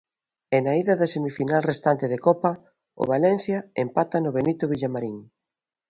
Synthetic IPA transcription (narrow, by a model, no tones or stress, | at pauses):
enaiðɐðɐsemifinalrest̪ant̪eðekɔpɐ | ʊ̰βalɛn̟θjɐempat̪ɐnʊβenit̪ʊβiʎamaɾiŋ